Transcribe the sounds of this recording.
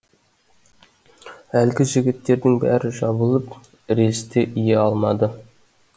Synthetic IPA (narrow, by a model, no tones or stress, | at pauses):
ælɡʲɪʒɪ̆ɡʲɪt̪ːe̞ɾd̪ɪŋbæ̰ɾɪʒɑbəlˠəp | ɾe̞st̪e̞ʔijeɑlˠmɑd̪ə